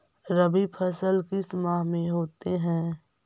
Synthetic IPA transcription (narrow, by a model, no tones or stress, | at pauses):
ɾəbipʰəsəlkismaːɦmẽɦoːt̪eɦɛ̃ː